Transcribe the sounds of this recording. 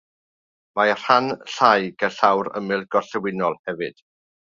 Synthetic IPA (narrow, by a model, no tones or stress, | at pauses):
mar̥anɬajɡ̥əɬawɾə̰mɪlˠɡɔɬɛwɪnɔlˠhɛvɨd̥